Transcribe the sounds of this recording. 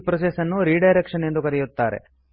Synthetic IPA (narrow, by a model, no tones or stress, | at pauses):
pɾosesɐnːuɾiːɖɐjɾekʂɐne̞nd̪ukɐɾɛjut̪ːaːɾḛ